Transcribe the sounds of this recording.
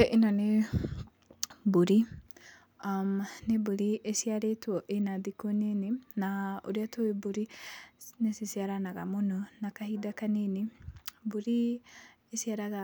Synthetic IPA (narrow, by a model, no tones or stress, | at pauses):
eʔinɔne | buɾi | amnebuɾiʔesiaɾetuoʔenad̪ikoneninaṵɾiat̪ʰoibuɾi | nesisiaɾanaɡa̰mununakaɦidakaninibuɾi | esiaɾaɡa